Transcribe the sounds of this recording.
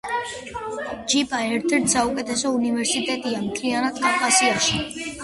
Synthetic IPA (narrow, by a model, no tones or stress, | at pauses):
d͡ʒipʼaɛɾt̪ʰɛɾt̪ʰsaukʼɛt̪ʰʼɛsɔunivɛɾsit̪ʼɛt̪ʼiamt̪ʰlianad̪kʼavkʼasiaʃi